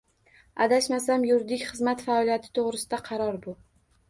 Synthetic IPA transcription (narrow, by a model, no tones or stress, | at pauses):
a̰d̪aʃmas̬amjʊɾd̪ɪkʲχɨzmat̪faɒlˠijat̪ʰɪ̥t̪ʰoʁɾɪsɪd̪aqʰɑɾɒɾbʊ